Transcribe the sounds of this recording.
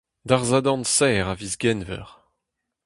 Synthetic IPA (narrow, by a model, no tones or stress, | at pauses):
d̪aʁzad̪ɑ̃nsɛːʁavizɡɛnvɛ̰ʁ